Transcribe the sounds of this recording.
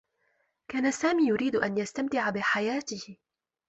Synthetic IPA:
kaːnasaːmiːjʊɾiːd̪ʔanjast̪amt̪ɪʕabɪħajaːt̪ɪhɪ

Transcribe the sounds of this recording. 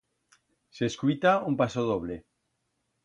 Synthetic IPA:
seskuit̪aumpasoð̞oβ̞le

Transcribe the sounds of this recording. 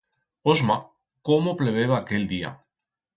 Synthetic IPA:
ozma | komopleβ̞eβ̞aːkeld̪ia̰

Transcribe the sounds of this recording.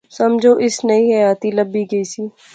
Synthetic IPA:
səmd͡ʒʱoːʔɪsnəĩːɦəjaːt̪iːləbːiːɡəiːsiː

